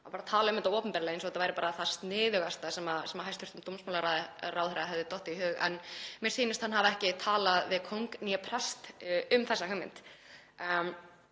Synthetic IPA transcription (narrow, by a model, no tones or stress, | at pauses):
apaɾat̪ʰaːlaʏmɛnaɔːpʏmpɛɾɪlɛjens̬ɔɛt̪avajɾɪpaːɾaθḁst̪nɪːðʏɣast̪asɛmasɛmaɦajst̪ʰʏ̥ɾ̥t̪ʏmt̪umsmawlaɾaðrawðhɾaðaɦɛvðɪt̪ɔht̪ɪiɦʏːɣɛ̰nmjɛɾsiːnɪst̪hanɦavaɛhcɪt̪ʰaːlaðvɪðkʰowŋkniapʰɾɛst̪ʏmθɛsːahœmːɪ̰nt̪